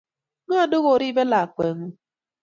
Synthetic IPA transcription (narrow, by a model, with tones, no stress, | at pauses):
nʊ˦a˨dʊ˦ɣo˨ɾi˦be˦la˨a˨kʷe˨ŋu˦